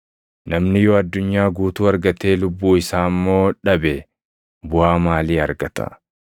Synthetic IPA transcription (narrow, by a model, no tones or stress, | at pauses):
nɐmnɪjoːɐd̪ːʊɲːaːɡuːt̪uːɐɾɡɐt̪eːlʊbːuːɪsaːmːo̞ːᶑɐbɛ | bʊʔaːmaːliːɐɾɡɐt̪ɐ̰